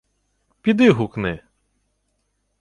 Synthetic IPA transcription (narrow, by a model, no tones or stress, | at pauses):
pʲid̪ɪɦuknɪ